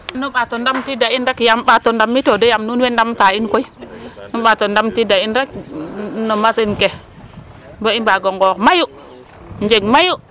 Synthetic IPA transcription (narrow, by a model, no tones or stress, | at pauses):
anuɓatondamtidainɾekjamɓatondamːitodojamnunwendamtainkoinuɓatondamtidainɾek | nomasinke | boimbaɡoŋɡokmaju | nd͡ʒeɡmaju